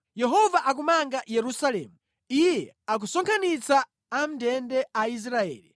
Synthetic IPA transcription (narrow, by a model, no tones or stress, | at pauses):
jɛɦɔvaʔak̬umaŋɡajɛɾusalɛ̰ːmu | ijɛ | ak̬usɔŋkʰanit͡saː | m̩dɛndɛais̬ɾaɛ̰ːli